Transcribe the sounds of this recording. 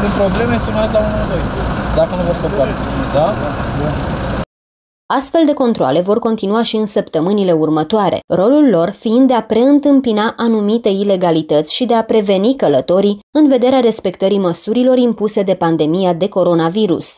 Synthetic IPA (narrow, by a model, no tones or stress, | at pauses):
impɾoble̞mesenat̪launavojd̪akənvosəpat̪izabun | ast̪fe̞ld̪e̞ko̞nt̪ɾoa̰le̞vo̞rko̞nt̪inuaʃiɨnsəpt̪əmɨnile̞urmət̪oaɾʔe̞̰ro̞lulːo̞rfiind̪̚d̪eapɾe̞ɨnt̪ɨmpinaʔanumit̪e̞ile̞ɡalit̪ət̪sʲʃid̪e̞apɾe̞ve̞nikələt̪o̞ɾiɨnve̞d̪e̞ɾeaɾe̞spe̞kt̪əɾiməsuɾilo̞ɾimpuse̞d̪e̞pand̪e̞mijad̪e̞ko̞ɾo̞naviɾṵs